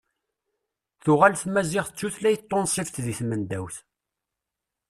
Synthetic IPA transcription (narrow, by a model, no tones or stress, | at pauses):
θʊʁælθmæziʁθət͡sːuθlæjət̪ˤːonsˤift̪ðiθmənd̪æwθ